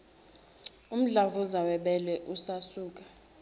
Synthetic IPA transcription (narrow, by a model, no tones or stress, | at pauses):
um̩ɮavuzawɛɓɛlɛʔusasuːk̬ʼa